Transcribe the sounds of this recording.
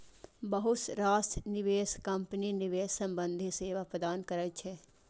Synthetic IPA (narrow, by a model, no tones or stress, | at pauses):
bəɦʊsɾaːsʈnɪʋeːskə̃mpninɪʋeːsːə̃mbə̃nd̪ʱiseːʋapɾəd̪aːnkəɾət͡ʃʰɛ